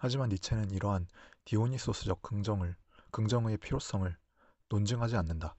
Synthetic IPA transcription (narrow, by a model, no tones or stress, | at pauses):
had͡ʑimanit͡ɕʰe̞nɯniɾʌɦantioɲis͈os͈ʰɯd͡ʑʌk̚d͡ʑɯkɯŋd͡ʑʌŋɯe̞pʰiɾjos͈ʌŋɯɭ | nond͡ʑɯŋɦad͡ʑianːɯnda